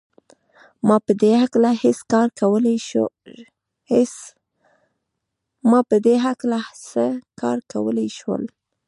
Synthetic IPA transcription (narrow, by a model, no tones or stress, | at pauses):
mɑpəd̪ehaklahɪskɑɾkawəl | mɑpəd̪eɦaklasəkɑ̰ɾkawəlejʃwə̰l